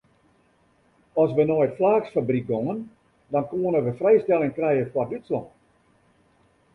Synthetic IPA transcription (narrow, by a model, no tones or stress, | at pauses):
ɔsʋənɔjtflaːxsfabrik̚ɡoŋən | dɔnkoənəʋəfrɛjstɛlˠɪŋkrɛjəkwadytslɔ̰n